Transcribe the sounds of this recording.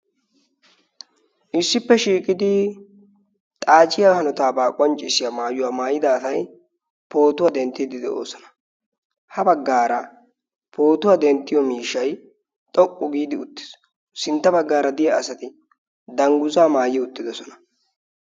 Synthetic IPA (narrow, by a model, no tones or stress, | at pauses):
ʔɪsːɪpːɛʃiːkʼɪd̪ɪ | t̪ʼaːt͡ʃʼɪjahɐnɔt̪aːbaːkʼɔnt͡ʃʼːɪsɪjamaːjʊwaːmaːjɪd̪aːsɐj | po̞ːt̪ʊwad̪ɛnt̪ːɪd̪ɪd̪ɛʔo̰ːsɔnɐ̥ | hɐbɐɡːaːɾɐ | po̞ːt̪ʊwaːd̪ɛnt̪ːɪjɔmiːʃːɐj | t̪ʼɔkʼːʊɡiːd̪ɪʊt̪ːɪ̥s | sɪnt̪ːɐbɐɡːaːɾɐd̪ɪjɐɐsɐt̪ɪ | d̪ɐŋɡʊzaːmaːjɪʊt̪ːɪd̪ɔsɔnɐ̥